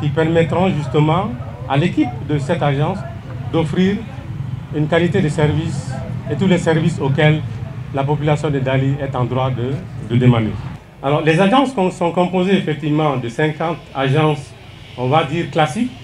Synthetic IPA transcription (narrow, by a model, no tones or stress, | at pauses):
kʲipɛʁmɛt̪ʁɔ̃ʒyst̪əmɑ̃ | a̰lekip̚d̪əsɛt̪aʒɑ̃s | d̪ɔfʁiʁ | ynkalit̪ed̪esɛʁviset̪ulɛsɛʁvisokɛllapɔpylasjɔ̃d̪ed̪aliɛt̪ɑ̃d̪ʁwad̪əd̪əd̪emanḛ | alɔʁlɛzaʒɑ̃skɔ̃sɔ̃kɔ̃pozeefɛk̚t̪ivmɑ̃d̪əsɛ̃kɑ̃t̪aʒɑ̃s | ɔ̃vad̪iːʁklasik